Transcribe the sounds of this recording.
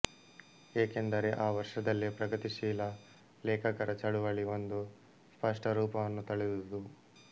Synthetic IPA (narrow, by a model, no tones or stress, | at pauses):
eːke̞nd̪ɐɾeʔaːʋɐɾʂɐd̪ɐlːipɾɐɡɐt̪iʃiːlɐ | lɛːkʰɐkɐɾɐt͡ʃɐɽuʋɐɭio̞nd̪u | spɐʂʈɐɾuːpɐʋɐnːut̪ɐɭed̪ud̪u